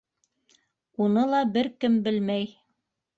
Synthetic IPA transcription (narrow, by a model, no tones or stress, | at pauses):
unɤlˠɑbɘɾkɘmbɘlmæj